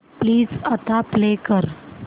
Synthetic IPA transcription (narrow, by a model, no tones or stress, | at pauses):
pliːd͡zət̪aplekəɾ